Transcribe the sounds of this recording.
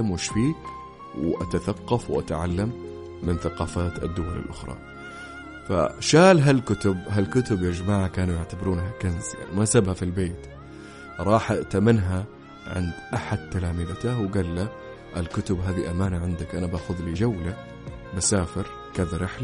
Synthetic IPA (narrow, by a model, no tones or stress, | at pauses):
amwɪʃfiː | wʔat̪aθaqːɑfwʔa̰t̪ʕalːamː | ɪnθaqɑːfaːt̪a̰d̪ːʊwala̰lʔʊxɾˤɑ̰ | fa̰ʃaːlɦalkʊt̪ʊbɦalkʊt̪ʊbʔɪd͡ʒmaːʕakaːnujaʕt̪abɾuːnɦakanzja̰nmasabhafilbeːt̪ | ɾˤɑːħaʔt̪amɪnɦa | ʕɪ̰nd̪ʔaħad̪̚t̪ːalaːmɪlat̪awɡaːlːa | ʔalkʊt̪ʊbɦaːðiʔamaːnaʕɪnd̪akʔanabaːxʊðlid͡ʒawla | basaːfɪɾ | kaðaɾɪħl